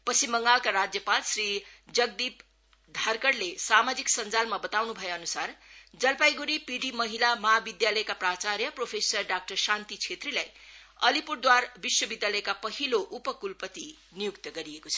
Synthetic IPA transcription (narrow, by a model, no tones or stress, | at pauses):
pʌsimbʌŋɡalkaɾad͡zjʌpalsrid͡zʌɡ̚d̪ip | d̪ʱarkʌrlesamad͡ziksʌnd͡zalmabʌt̪awnubʱʌjoʌnusard͡zʌlpajɡuɾipiɖimʌɦilamʌɦabid̪jalʌjkaprat͡saɾjʌpropʰesʌrɖak̚ʈʌrsant̪it͡sʰet̪rilajʌlipuɽd̪warbiswʌbid̪jalʌjkapʌɦiloʔupʌkulpʌt̪i | nijukt̪ʌɡʌɾiekot͡sʰʌ